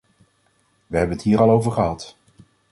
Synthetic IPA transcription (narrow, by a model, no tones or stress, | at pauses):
ʋəɦɛbənətɦiːɾɑlˠowvəɹχəɦɑt